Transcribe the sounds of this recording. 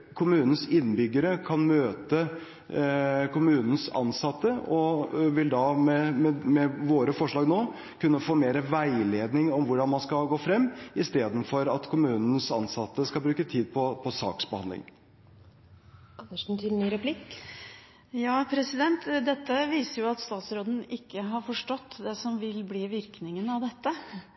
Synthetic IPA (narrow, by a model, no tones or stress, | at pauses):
kʰʊmʉːnən̩sɪnːbʏɡːəɾəkʰɑnmøːt̪ə | kʊmʉːnn̩sɑ̰nsɑt̪ːəɔʋɪld̪ɑmɛmɛmɛʋoːɾəfɔʂɭɑːɡnoː | kʉnːəfoːmeːɾəʋæɪleːd̪nɪŋɔmʋʊɖɑnmɑnskɑɡoːfɾɛmːɪst̪eːd̪n̩fɔɾɑt̪kʰʊmʉːnn̩sɑnsɑt̪ːəskɑbɾʉːkət̪ʰiːd̪pʰɔpʰɔsɑ̰ːksbəhɑnd̪lɪ̰ŋ | ɑnəʂ̩t̪ʰɪlnyːɾɛpʰlɪk | jɑːpʰɾɛsɪd̪ɛnt̪d̪ɛt̪ːəʋiːsəɾjʊɑt̪st̪ɑːt̪sɾoːd̪n̩ɪkːəɦɑɾfɔʂʈɔt̪ːd̪ɛsɔmʋɪlbliːʋɪɾknɪŋənɑʋd̪ɛt̪ːə